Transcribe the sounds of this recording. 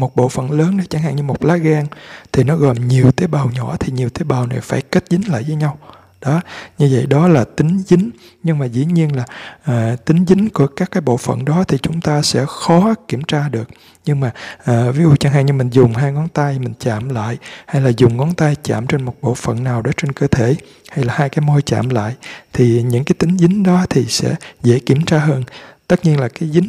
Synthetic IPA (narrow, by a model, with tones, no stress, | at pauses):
mo˨˩t̚ɓo̰˧˨fə̰˧˨nləː˨˦nɗə˨˦t͡ɕa˧˩ŋha̰˧˨ŋɲɨ˧mo˨˩t̚laː˨˦ɣa˧ŋt̪ʰi˨˩nɔ˨˦ɣɔ̰˨˩jɲi˨˩əwt̪e˨˦ɓaː˨˩wɲɔ˧˩˥t̪ʰi˨˩ɲi˨˩əwt̪e˨˦ɓaː˨˩wna˨˩jfaː˧˩jke˦˥t̚zï˨˦ŋ̟la̰ː˧˨jvəː˨˦jɲa˧w | ɗɔ˨˦ɲɨ˧və̰˧˨jɗɔ˨˦laː˨˩t̪ï˨˦ŋ̟zï˨˦ŋ̟ | ɲɨ˧ŋmaː˨˩zḭ˧˥ɲi˧ənlaː˨˩ʔaː˨˩t̪ï˨˦ŋ̟zï˨˦ŋ̟ku˧˩əkaː˦˥kːaː˨˦jɓo̰˧˨fə̰˧˨nɗɔ˨˦t̪ʰi˨˩t͡ɕʊ˨˦ŋ͡mt̪aː˧sɛ̰˧˥xɔ˨˦ki˧˩əmt͡ɕaː˧ɗɨ˨˩ək̚ | ɲɨ˧ŋmaː˨˩ʔːvi˨˦zu˨˩t͡ɕa˧ŋɦa̰˧˨ɲɨ˧mï˨˩ŋ̟zʊ˨˩ŋ͡mɦaː˧jŋɔ˨˦nt̪a˧jmï˨˩ŋ̟t͡ɕa̰ː˧˨mla̰ː˧˨jha˧jlaː˨˩zʊ˨˩ŋ͡mŋɔ˨˦nt̪a˧jt͡ɕa̰ː˧˨mt͡ɕe˧nmo˨˩t̚ɓo̰˧˨fə̰˧˨nːaː˨˩wɗɔ˨˦t͡ɕe˧nkəː˧t̪ʰe˧˩ | ha˧jlaː˨˩haː˧jkaː˨˦jmo˧jt͡ɕa̰ː˧˨mla̰ː˧˨jt̪ʰi˨˩ɲɨ̰˧˥ŋkaː˨˦jt̪ï˨˦ŋ̟zï˨˦ŋ̟ɗɔ˨˦t̪ʰi˨˩sɛ̰˧˥zḛ˧˩˥ki˧˩əmt͡ɕaː˧ɦəː˧nt̪ə˦˥t̚ɲi˧ənlaː˨˩kaː˨˦jzï˨˦ŋ